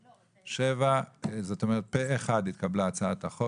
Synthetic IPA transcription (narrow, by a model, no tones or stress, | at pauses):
ʃevazo̞t̪o̞meʁet̪̚peeχad̪it̪kablat͡saat̪aχo